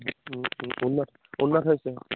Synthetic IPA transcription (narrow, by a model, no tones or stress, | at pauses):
unːɔt | unːɔtɦojsɛ